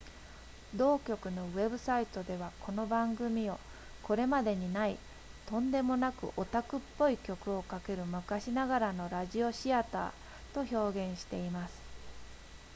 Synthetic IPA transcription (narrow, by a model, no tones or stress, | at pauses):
d̪o̞ːkʲo̞kɯ̟no̞βe̞bɯ̟sait̪o̞d̪e̞β̞akʰo̞no̞bãŋɡɯ̟mʲio̞ | kʰo̞ɾe̞mad̪e̞ɲ̟inai | t̪õ̞nd̪e̞mo̞nakɯ̟̰ʔo̞t̪akɯ̟pːo̞ikʲo̞kɯ̟o̞kake̞ɾɯ̟mɯ̟kaɕinaɡaɾano̞ɾaʑio̞ɕiat̪a̰ː | t̪o̞ço̞ːɡẽ̞ɰ̃ɕi̥t̪e̞imasɨ̥